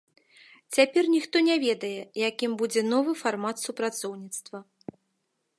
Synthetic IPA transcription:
t͡sʲapʲɛrnʲixt̪ɔnʲɛvʲɛd̪ɐjɛjakʲimbud͡zʲɛn̪ɔvɨfarmat̪supɾat̪sɔwnʲit̪st̪vɐ

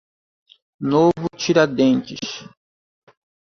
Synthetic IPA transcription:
novʊt͡ʃiɾad̪ẽnt͡ʃɪʃ

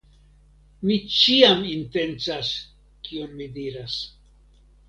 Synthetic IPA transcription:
mit͡ʃiaminte̞nt͡sas | kʰio̞nmidiɾas

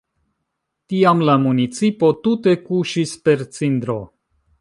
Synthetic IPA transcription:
tiamlamunit͡sipo̞t̪ute̞kuʃispe̞ɾt͡sind̪ɾo̰

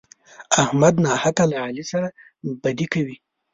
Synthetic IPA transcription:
ahmad̪nɑhat̪alaʕalisaɾa | bad̪ikawi

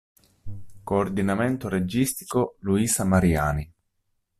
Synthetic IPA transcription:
koːrd̪inament̪oɾed͡ʒist̪i̥koluiːsamaɾia̰ːni

